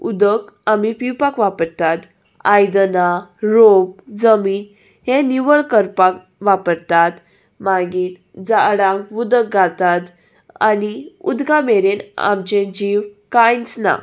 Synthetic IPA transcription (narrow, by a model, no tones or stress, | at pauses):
ud̪əkamipiwpakʋapəɾt̪at̪ | ajd̪naɾomd͡zəmiːn | hɛ̃niʋəɭkəɾpak | ʋapəɾt̪at̪ | maɡiːn | d͡zaɽãŋkʋud̪ək̚ɡat̪at̪ | a̰niṵd̪ɡameɾena̰mt͡ɕẽd͡ʑiʋkajnt͡sna̰